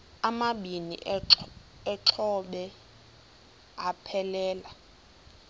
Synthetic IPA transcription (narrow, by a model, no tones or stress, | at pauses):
amaɓinḭː | t͡ɬʰɔɓɛ | apʰɛlɛːla